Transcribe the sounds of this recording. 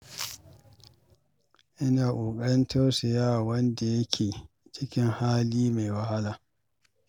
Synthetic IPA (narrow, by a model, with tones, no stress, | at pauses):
ʔɪ˦naː˨ʔʷuː˨kʼɐ˦ɽɪ˦ntɐ˦rsɐ˨jaː˦˨wɐ˦nda˨jɐ˦kʲʰeː˨ | t͡ʃɪ˦kʲɪ˦ŋhaː˦liː˦ma˨jwɐ˦ha˦laː˨